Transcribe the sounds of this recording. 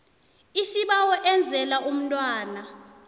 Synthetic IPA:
isiɓawɔʔɛnd͡zʱɛlaʔum̩ntʼwaːna

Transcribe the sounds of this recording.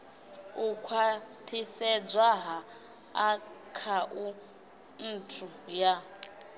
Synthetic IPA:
ukʰwatʰisɛd͡zwaɦa | akʰaʔu | n̩tʰuja

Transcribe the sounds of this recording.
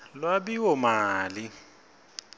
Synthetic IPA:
lwabiʊmaːlɪ

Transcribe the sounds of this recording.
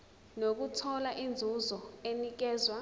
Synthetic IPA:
nok̬utʰɔlaʔind͡zʱuzɔenik̬ɛːzwa

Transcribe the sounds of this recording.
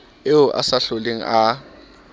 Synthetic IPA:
ɪʊʔa̰saɬoleŋ̩ʔa

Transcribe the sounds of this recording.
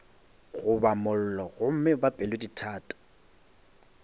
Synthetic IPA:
ɣʊbamʊl̩lɔɣʊm̩mɪbapʼɛlweditʰaːtʼɔ̥

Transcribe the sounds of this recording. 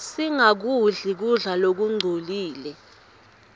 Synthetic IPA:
siŋak̬uɮik̬uɮalok̬uŋ͡ǀʱoliːlɛ

